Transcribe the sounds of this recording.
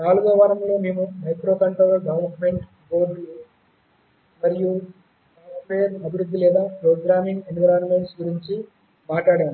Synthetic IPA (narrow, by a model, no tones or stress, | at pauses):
naːluɡɐːʋaɾɐmlo̞ːmeːmumɐjkɾoːkɐɳʈɾoːlɐɡɐʋnmeɳʈ | boːɖ | mɐɾiju | ɐnpʰeːɾɐbʱiɾud̪ʱːilɛːd̪aːpɾoːɡɾaːmiŋɡenʋɐɾaːnmeɳʈsɡuɾiɲt͡ʃi | maːʈaːɽaːnu